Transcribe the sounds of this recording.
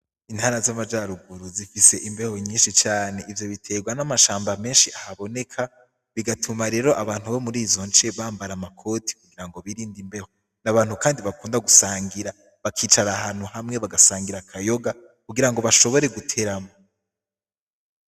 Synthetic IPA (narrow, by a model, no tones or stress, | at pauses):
in̥haːɾazamad͡ʒaɾuɡuɾuzifise̞ʔimbe̞ho̞ɲiːnʃit͡ʃaːne̞ivjo̞βitʰe̞ːɡwanamaʃaːmbame̞ːnʃiʔahaβo̞ne̞kʰa | βiɡatʰumaɾe̞ːɾo̞ʔaβaːn̥huβomuɾiːzo̞nt͡ʃeβaːmbaɾamakʰo̞ti̥k̚uɡiɾaŋɡo̞βiɾiːndimbe̞ho | naβaːn̥hukaːndiβakuːndaɡusaːŋɡiɾa | βakʰiːt͡ʃaɾahaːn̥uhamŋe̞βaɡasaːŋɡiɾakʰajo̞ɡa | kuɡiɾaŋɡo̞βaʃo̞βo̞ɾe̞ɡutʰe̞ɾamo